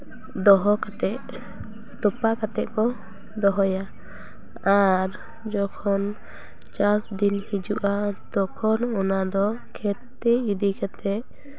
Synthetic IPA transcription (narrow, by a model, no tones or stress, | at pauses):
d̪ɔɦɔkat̪ɛʔ | t̪ɔpakat̪ɛʔkɔ | d̪ɔɦɔja | aɾ | d͡ʒɔkʰɔn | t͡ʃasd̪inhid͡ʒuʔat̪ɔkʰɔnɔnad̪ɔkʰɛt̪ɛid̪ikʰɛt̪ɛʔ